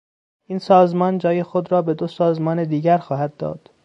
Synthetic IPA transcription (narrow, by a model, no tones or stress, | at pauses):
ʔiːnsɒːzmɒːnd͡ʒɒːje̞xod̪ɾɒːbe̞d̪osɒːzmɒːned̪iːɟæɾxɒːhæd̪ːɒ̰ːd̪̥